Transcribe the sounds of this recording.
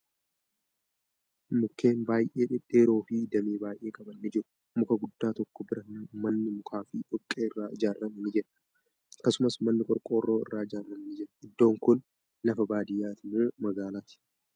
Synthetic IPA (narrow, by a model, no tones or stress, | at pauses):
mʊkːe̞ːnbaːjʔe̞ːᶑɪᶑe̞ːɾo̞ːfɪd̪ɐmeːbaːjʔe̞ːkʼɐbɐnːɪd͡ʒɪɾʊ̥ | mʊkɐɡʊd̪ːaːt̪ɔkːɔbɪɾɐmɐnːɪmʊkʰaːfɪᶑɔkʼːeːɪrːaːɪd͡ʒaːrːɐmɐnɪd͡ʒɛᶑɐ | ɐkːɐsʊmɐsmɐnːɪkʼɔɾkʼo̞ːrːoːɪ̰rːaːɪd͡ʒaːrɐmnɪd͡ʒɛɾɐɪd̪ːo̞ːŋkʊnː | ɐfɐbaːd̪ɪjːaːt̪ɪnemɐɡaːlaːt̪ɪ̥